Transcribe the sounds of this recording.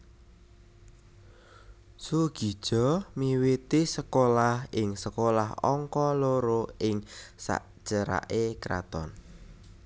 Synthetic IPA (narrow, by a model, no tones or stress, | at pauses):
suɡ̥i̤d̥ʒ̥ɔ̤miwit̪isəkolahɪŋsəkolaɦɔ̰ŋkɔloɾoɪŋsa̰ʔd̥ʒ̥əɾa̰ʔekɾa̰t̪ɔn